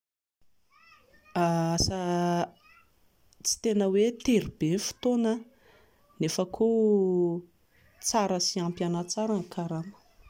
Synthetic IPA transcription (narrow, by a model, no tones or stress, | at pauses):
aasa | t͡si̥t̪enəwet̪eɾib̥enfi̥t̪onə | nefəkʰo | t͡saɾəsiampjanət͡saɾaŋkʰaɾamə̥